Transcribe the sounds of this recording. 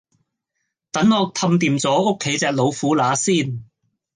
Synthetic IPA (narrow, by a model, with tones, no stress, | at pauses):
t̪ɐ˨˥ŋɔː˨˧k̚t̪ʰɐ˧mt̪iː˨˧mt͡sɔː˨˥o˥kʰːe˨˥jt͡sɛː˧k̚lo˨˧wfuː˨˥laː˨˥siː˥˩n